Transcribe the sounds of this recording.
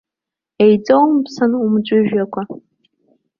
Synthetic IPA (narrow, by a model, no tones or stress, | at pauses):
ejd͡zowmpʰsɨnumd͡ʒʷʊʒᶣakʷʰa